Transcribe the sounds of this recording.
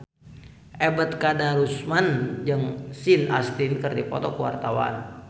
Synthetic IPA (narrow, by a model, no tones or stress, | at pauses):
ʔɛbət̪̚kadaɾusmand͡ʒəŋsinast̪inkərdipɔ̰t̪ɔkəwa̰rt̪awa̰n